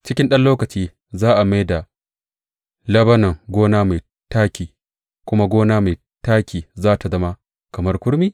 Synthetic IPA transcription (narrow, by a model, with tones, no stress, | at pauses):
t͡ʃɪ˦kʲɪ˦nɗɐ˦nloː˦kɐ˨t͡ʃiː˦ | zaː˦ʔa˨ma˦jda˨ | lɐ˦bɐ˦nɐ˨ŋɡʷoː˦naː˦ma˨j | taː˦kʲiː˨ | kʷʊ˦ma˦ɡʷoː˦naː˦ma˨j | taː˦kʲiː˨zaː˦ta˨zɐ˦ma˦ | kɐ˨mɐ˦rkʷʊ˦ɾmiː˦